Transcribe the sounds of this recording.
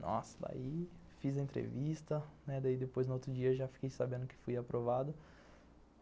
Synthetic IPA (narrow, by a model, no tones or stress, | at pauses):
nɔ̰sɐd̪a̰ifizɐẽt̪ɾḛvist̪ɐnɛd̪aid̪epojznʊot̪ɾʊd͡ʒiɐeʒafi̥kejsabẽnd̪ʊkɪ̥fujapɾʔovad̪ʊ